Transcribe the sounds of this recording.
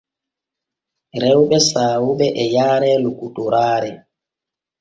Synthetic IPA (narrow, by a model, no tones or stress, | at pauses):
ɾɛwɓɛsaːwuɓɛʔɛjaːɾɛlukutuɾaːɾɛ